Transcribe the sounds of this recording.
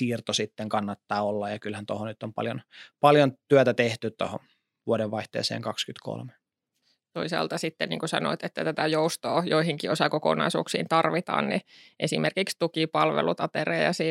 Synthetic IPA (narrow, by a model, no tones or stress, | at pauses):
iːrt̪osit̪ːeŋkɑnːɑt̪ːɑːolːɑjjɑkylhænt̪ohonyt̪ːompɑ̰ljonpɑljont̪yæt̪æt̪eht̪ytt̪o̰ho̰n | ʋuoɾeʋʋɑiht̪ḛːsḛːŋkɑkskyt̪kʰo̰lme | t̪oisɑ̰ːlt̪ɑsit̪ːḛnḭːŋkusɑ̰no̰it̪et̪ːæt̪æt̪æjoust̪oːjoihiŋkiosɑkoko̰nɑ̰isṵːksḭːnt̪ɑrʋit̪ɑ̰ːnniʔesimerkikst̪ukipɑlʋḛlut̪ɑt̪erḛːjɑ̰siː